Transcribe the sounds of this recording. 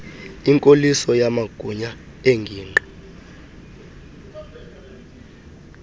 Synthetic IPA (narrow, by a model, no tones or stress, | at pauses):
iŋkʼolisɔjamaɡ̥ʱuɲa | eŋɡʱiːnǃʱɔ̥